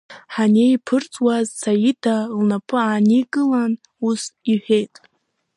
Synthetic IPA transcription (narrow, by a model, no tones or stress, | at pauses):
ħanejpʰɨrt͡sʼwazsajidʰalnapʰɨaːnikʼɨlan | usiħʷᶣe̞jtʼ